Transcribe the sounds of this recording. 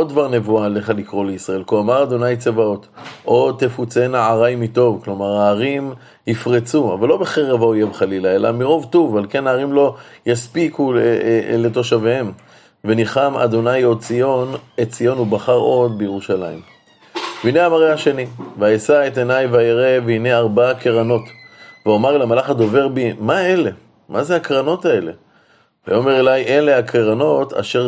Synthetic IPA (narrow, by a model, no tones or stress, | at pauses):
od̪̚dvaʁne̞vuale̞χalikʁo̞leisʁae̞lkoamaʁad̪o̞najt͡sevao̞t̪ʔo̞t̪ːefut͡se̞naʕaʁajmit̪o̞vklo̞maʁaːʁim | hifʁet͡sua̰valːo̞beχeʁevaojemχalilae̞la̰miʁo̞vt̪uvalke̞naːʁimlo̞jaspikule̞t̪o̞ʃavehem | veniχama̰d̪o̞najo̞t͡sionet͡sijo̞nubaχaʁo̞d̪̚bejeʁuʃalaim | veineamaʁehaʃe̞niveajesaet̪enajveaeʁe̞veineaʁbaakeʁano̞t̪veomaʁelamalaχad̪o̞ve̞ʁbimaele̞ | mazeakʁano̞tae̞le̞ | va̰jo̞me̞ʁelajʔe̞le̞hakeʁano̞t̪ʰa̰ʃe̞ʁ